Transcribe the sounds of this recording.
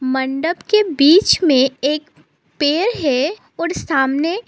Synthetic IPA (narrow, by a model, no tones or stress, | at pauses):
mə̃ɳɖəbkebiːt͡ʃmẽeːk | peːɾɦɛ | ɔːɾsaːmne